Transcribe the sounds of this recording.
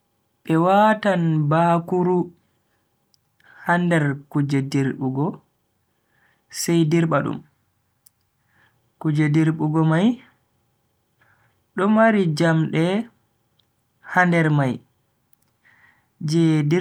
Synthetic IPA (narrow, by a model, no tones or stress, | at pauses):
ɓɛwaːtanbakuɾu | handɛɾkud͡ʒediɾɓuɡɔ | sɛjdiɾɓaɗṵm | kud͡ʒediɾɓuɡɔmaj | ɗɔmaɾid͡ʒamɗɛ | handɛɾmaj | d͡ʒɛdi